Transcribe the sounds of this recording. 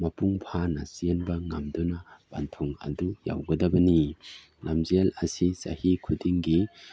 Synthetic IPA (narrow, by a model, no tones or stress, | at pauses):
mɐpuŋpʰanɐsienbɐŋɐmdunɐb̥antʰɔŋɐ̰duja̰wɡɐdɐbɐni | lɐmzelɐsisɐ̰hikʰudiŋɡi